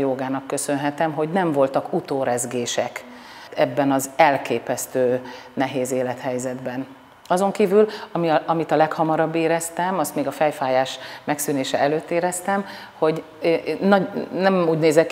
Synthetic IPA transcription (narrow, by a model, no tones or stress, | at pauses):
joːɡaːnɒkːø̞sø̞nɦɛt̪ɛmɦo̞ɟnɛɱvo̞lt̪ɒkut̪oːɾɛzɡeːʃɛk | ɛbːɛnɒzɛlkeːpɛst̪øː | nɛɦeːzeːlɛt̪hɛjzɛd̪bɛn | ɒzo̞ŋkiːvylɒmiɒmit̪ɒlɛkhɒmɒɾɒbːeːɾɛst̪ɛmɒst̪meːɡɒfɛjfaːjaːʃmɛksyneːʃɛɛløːt̪ːeːɾɛst̪ɛm | ho̞ɟ | nɒnɛmuːɟneːzɛ